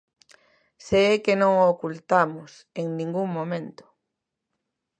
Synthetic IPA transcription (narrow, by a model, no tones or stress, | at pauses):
seekenõŋookult̪amʊs | eŋnĩŋɡuŋmõmẽnt̪ʊ̥